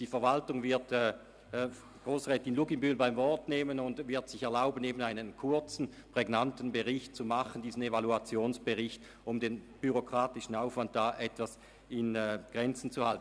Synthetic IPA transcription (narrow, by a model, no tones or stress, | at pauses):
d̥iːfɛɐvaltʊŋvɪɐtː | ɡ̥ʁoːsʁɛːtɪnluɡimbylbaɪmvɔɐtneːmənʊntvɪɐtsɪçɛɐlaʊbəneːbənaɪnənkʰʊɐt͡sn̩ | pʁ̥ɛɡnantn̩bəʁɪçt̚t͡sumaχəndiːzən̩evaluat͡sjoːnsb̥əʁɪçt | ʊmdeːn | b̥yʁokʁ̥aːtɪʃn̩aʊfvant̚d̥aːʔɛtv̥as | ɪnɛːɡ̥ʁɛnt͡sn̩t͡suhalt̚n̩